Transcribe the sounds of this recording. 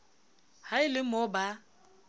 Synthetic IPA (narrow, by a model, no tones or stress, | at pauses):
haɪlɪmoba